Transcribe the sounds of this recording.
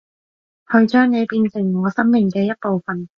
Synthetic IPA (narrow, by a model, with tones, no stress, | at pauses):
hʰɵ˧ɥt͡ʃœː˥ŋne˨˧jpiː˧nsɪ˨˩ŋŋɔː˨˧sɐ˥mmɪ˨ŋkɛː˧jɐ˥t̚po˨wfɐ˨n